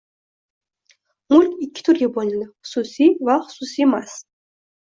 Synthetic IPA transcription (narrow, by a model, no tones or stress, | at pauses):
mʊlʲkʲɪkʲːɪ̥t̪ʰʊɾɡʲabolʲɪnd̪ɪχʊ̥sʊsivaχʊ̥susiemas